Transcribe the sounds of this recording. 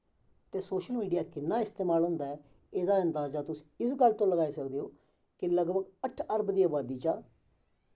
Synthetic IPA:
t̪eːsoːʃəlmiːɖijaːkɪnːaːɪst̪eːmaːlɦʊ̃ːnd̪aːɛː | eːd̪aːɪnd̪aːzaːt̪ʊsi̥ɪsɡəlt̪õːləɡaːeːsəkd̪eːoː | kɪləɡbəɡəʈʰəɾbd̪iːaːbaːd̪iːt͡ʃaː

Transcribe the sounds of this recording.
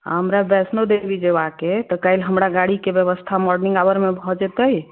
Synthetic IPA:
ɦəmɾabɛsnod̪elbid͡ʒeaket̪ɔkailɦəmɾaɡaɽikebjeβəst̪ʰamɔɾniŋɡabəɾmebʱɔd͡ʒɛt̪əj

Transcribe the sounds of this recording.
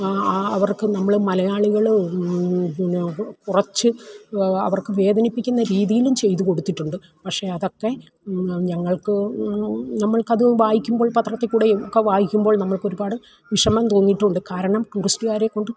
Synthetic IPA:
ɐʋɐrkɨnɐmːɐɭmɐlɐjaːɭuɣɐɭ | kurɐt͡ɕːɨ | ɐ̰ʋɐrkɨʋe̞ːd̪ɐnipːikʲːunːɐɾiːðijilumt͡ɕe̞jt̪̬uko̞ɽut̪ːiʈːuɳɖɨ | pɐkʂe̞ɐðo̞kːe̞ | ɲɐŋːɐɭkɨ | nɐmːɐɭkɐðɨʋaːjikʲːumbo̞ːɭpɐt̪rɐt̪ːe̞kːuːɽeokːeʋaːjikʲːumbo̞ːɭnɐmːɐɭko̞ɾubaːɽɨ | ʋiʂɐmɐmt̪oːnːiʈːuɳɖɨkaːɾɐɳɐmʈuːrisʈːiɣaːɾekːo̞ɳɖɨ

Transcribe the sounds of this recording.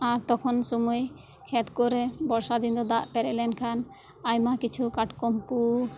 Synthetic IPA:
aɾt̪ɔkʰɔnsɔmuj | kʰɛt̪kɔɾɛbɔɾsad̪ind̪ɔd̪aʔpɛɾɛ̰ʔlɛnkʰan | ajmakit͡ʃʰukaʈkɔmku

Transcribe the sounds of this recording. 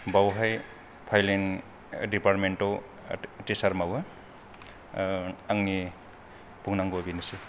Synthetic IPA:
bawɦaj | pʰajlen | dipaɾtmentow | tesaɾmawa | aŋni | b̥ʰʱuŋnaŋɡobinisi

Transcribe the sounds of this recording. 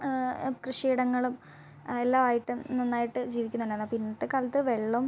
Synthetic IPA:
krɨʂiːɽɐŋːɐɭum | elːaːmaːjiʈːumninːaːjiʈːɨd͡ʑiːʋikʲːunːuɳɖenːɐpinːɐt̪ːekɐlɐt̪ːɨʋeɭːɐm

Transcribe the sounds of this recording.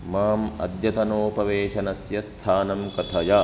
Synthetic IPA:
maːmɐ̰d̪jɐt̪ɐnoːpɐʋeːʃɐnɐsjɐst̪ʰaːnɐmkɐt̪ʰɐjɐ

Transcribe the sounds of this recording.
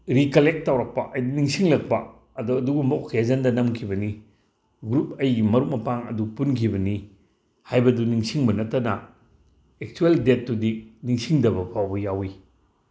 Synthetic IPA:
ɾikɐlek̚tːawɾɐk̚pɐʔɐjduniŋsiŋlɐk̚pɐ | ɐduɐduɡumokʰezɐndɐnɐmkʰibɐni | ɡɾup̚ɐjɡimɐɾuk̚mɐpaŋɐ̰dupunkʰibɐni | hajbɐduniŋsiŋbɐnɐtːɐnɐ | ek̚tueldet̚ːudiniŋsiŋdɐbɐpʰawbɐjawi

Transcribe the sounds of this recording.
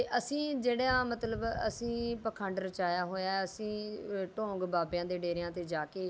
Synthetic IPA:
eːʔəsĩːd͡ʒeːɽjãːmət̪ləbə̰sĩːpəkʰãːɳɖəɾt͡ʃaːjaːɦoːjaːɛəsĩːʈõːŋɡbaːpjãːd̪eːɖeːɾɪjãːt̪eːd͡ʒaːkeː

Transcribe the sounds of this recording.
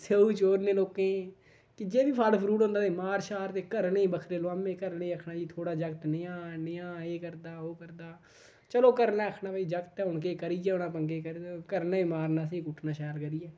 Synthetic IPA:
sʰeːuːt͡ʃoːɾneːloːkẽː | kɪd͡ʒeːʋiːpʰaːlpʰəɾuːʈɦõnd̪aːeːmaːɾʃaːɾt̪eːkəɾneːbəkʰɾeːloãːmẽːkəɾneːəkʰnaːiːt̪ʰoːɽaːd͡ʒəkt̪nɪjãːnɪãːeːkəɾd̪aːoːkəɾd̪aː | t͡ʃəloːkəɾnɛ̃ːəkʰnãːʋəiːd͡ʒəkt̪ɛːʊɳkeːkəɾiːjɛːʊnãːpəŋɡeːkəɾkəɾnãːiːmaːɾnãːseiːkʊʈʰnaːʃaːlkəɾiːɛː

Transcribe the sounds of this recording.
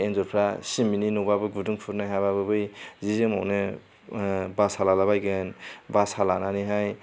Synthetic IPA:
enzɔɾpʰɾasimininɔbabɯɡuduŋpʰuɾnajɦaβaβɯbɯjzizɯma̰wnɯ | basalalabajɡɯnbasalananɯɦaj

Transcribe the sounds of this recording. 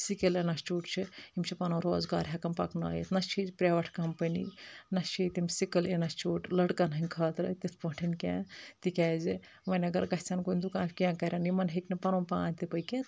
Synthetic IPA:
sikɐlenɐst͡ʃuːʈt͡ʃʰiimt͡ʃʰipɐnɐ̃ɾoːzɡa̰ːɾɦʲɛkɐmpɐ̰kna̰ːjḭt̪nɐst͡ʃʰid͡ʒpɾʲeːʋɐʈʰkɐmpɐnḭnɐst͡ʃʰiːt̪imsikɐlenɐst͡ʃuːʈlɐɽkɐnɐnʲkʰaːt̪ɾɨ̰t̪it̪ʰpɐːʈʰinkʲã̰ːt̪ikʲɛːzi | mɐnʲɐɡɐɾɡɐsʲt͡sɐnkoːnʲd̪ukãːfʰʲkʲãːkɐɾʲjaːnimɐnɦiknɐpɐnompaːnʲt̪ipɐjkʲet̪

